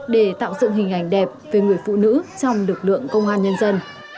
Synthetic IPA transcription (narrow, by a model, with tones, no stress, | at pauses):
ɗe˧˩t̪a̰ː˧˨wzɨ̰˧˨ŋɦï˨˩ŋ̟ʔa˨˩jŋ̟ɗɛ˨˩p̚ve˨˩ŋɨ˨˩əjfṵ˧˨nɨ̰˧˥t͡ɕɔ˧wŋ͡mlɨ˨˩k̚lɨ̰˧˨əŋkə˧wŋ͡mʔaː˧nɲə˧nzə˧n